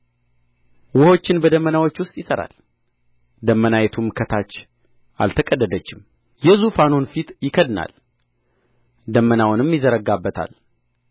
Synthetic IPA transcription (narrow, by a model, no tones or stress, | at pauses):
wʊho̞t͡ʃːɪnbəd̪əmːənawo̞t͡ʃːwʊst̪ʼjɪsəɾa̰l | d̪əmːənajɛt̪ʰumkʰət̪ʰat͡ʃː | ʔa̰lt̪ʰəkʼəd̪ːəd̪ət͡ʃːɪm | jɛzufanonfit̪jɪkʰəd̪na̰l | d̪əmːənawʊnɨmjɪzəɾəɡabːət̪ʰa̰l